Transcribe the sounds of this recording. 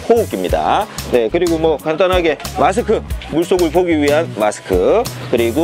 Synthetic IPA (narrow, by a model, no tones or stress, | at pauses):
houk͈imɲida̰ne̞kɯɾiɡomwʌkandanɦaɡe̞masʰɯkʰɯmuɭs͈oɡɯɭpoɡiɥiɦanmasʰɯ̥kʰɯkɯɾiɡo